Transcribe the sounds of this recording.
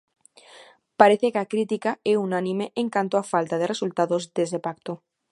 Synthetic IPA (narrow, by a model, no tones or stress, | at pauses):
paɾeθekakɾit̪ikaɛunanĩmeʔeŋkant̪oafalt̪að̞eresult̪aðozd̪ezðepakt̪o